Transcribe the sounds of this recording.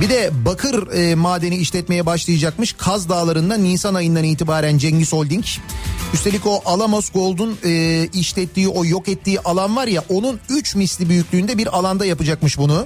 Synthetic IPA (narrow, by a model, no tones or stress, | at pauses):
bid̪ɛbakʰɯɾɯːmaːd̪eniiʃlʲɛt̪me̞jɛbaʃlˠajad͡ʒakmɯʃkʰazd̪aːlˠaɾɯnd̪anːiːsanajɯnd̪aniːt̪ʰibaːɾænd͡ʒɛɲɟiso̞lʲd̪iɲcyst̪ʰeico̞ʔalˠamosɡo̞lˠd̪unɯːiʃlʲɛt̪ʰːiːʔo̞jo̞kɛt̪ʰːiːʔalˠanvaɾjaʔonunyt͡ʃmislʲibyjycʲlʲyːnd̪ɛbiɾalˠand̪ajapɯd͡ʒakmɯʃbunu